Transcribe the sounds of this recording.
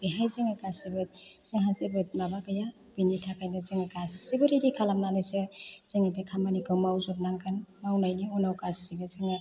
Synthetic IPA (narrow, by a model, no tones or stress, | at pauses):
b̥iɦajziŋɯkasibɯt̚z̥eŋɦazebɯt̚mabaɡaja | binitʰakʰajnɯziŋɯkassibɯɾiɾikʰalamnanɯsɯz̥eŋibekʰamanikʰɯwmawzɔp̚naŋkʰanmawnajniɔnawkasibɯziŋɯ